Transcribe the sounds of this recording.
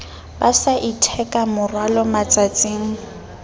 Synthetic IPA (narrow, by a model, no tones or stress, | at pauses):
basaʔitʰɛkʼamʊrwalɔmat͡sʼat͡sʼeːŋ̩